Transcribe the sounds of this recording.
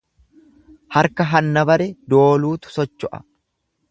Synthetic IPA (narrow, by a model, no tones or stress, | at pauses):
hɐɾkɐɦɐnːɐbɐɾɛd̪o̞ːluːt̪ʊ̥sɔt͡ʃːɔʔɐ̥̰